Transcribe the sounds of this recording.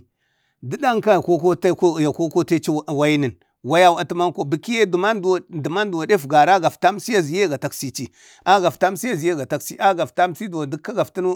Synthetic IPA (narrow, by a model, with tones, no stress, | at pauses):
di˦da˦ŋka˦˨ko˦ko˦tja˨ko˦ko˦te˦t͡ʃi˦˨wa˦ji˦nə˨n | wa˦ja˦wa˦ti˦ma˦ŋ˦ko˦bi˨ki˦je˦dma˦˨di˨ma˦n˦du˨wa˨de˦fɡa˨ɾa˦ɡa˨fta˦msi˦ja˦zi˨je˦˨ɡa˨ta˨ksi˨t͡ʃi˨ | a˦ɡa˨fta˦msi˦ja˦zi˨je˦˨ɡa˨ta˦ksi˦ʔa˦ɡa˨fta˦msi˦da˨di˦kːa˦ɡa˨fti˦nu˦